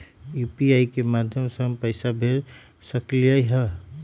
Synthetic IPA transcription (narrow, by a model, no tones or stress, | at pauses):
jupiaikemad̪ʱjəmsə̃ŋpəɪsabʱeɾ | səklijəjɦə